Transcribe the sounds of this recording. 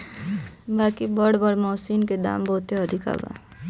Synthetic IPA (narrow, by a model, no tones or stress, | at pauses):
baːkibəɽbəɽmɔːsiːnked̪a̰ːmboɦt̪eəd̪ʱɪka̰ːba̰